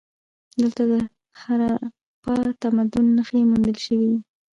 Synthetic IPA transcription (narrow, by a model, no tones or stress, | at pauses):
d̪əlt̪ad̪ə | haɾa | pɑt̪amad̪ʊnːəxemund̪əlʃəwid̪i